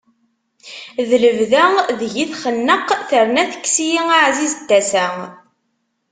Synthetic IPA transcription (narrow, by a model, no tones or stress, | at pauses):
ðələvðæðəʝiθχənːəqːθəɾnæθə̥kːsijiŋaʕzizd̪ːæsæ